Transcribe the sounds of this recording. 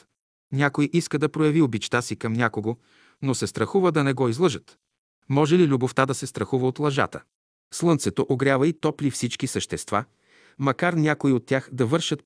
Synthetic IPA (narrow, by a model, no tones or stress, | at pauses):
nʲakojʔiskəd̪ɐpɾojɐviobit͡ʃt̪asikɐmnʲakoɡo | nosɛst̪ɾɐxuvəd̪ɐnɛɡɔizlˠɤʒət̪ | mɔʒɛlilʲuboft̪ad̪ɐsɛst̪ɾɐxuvəot̪lˠɐʒa̰t̪ə̰ | slˠɤnt̪sɛt̪oʔoɡɾʲjavəit̪ɔplifsit͡ʃkisəʃt̪ɛst̪va | mɐkaɾnʲakoiot̪ʲːjaxd̪ɐvɤɾʃət̪̚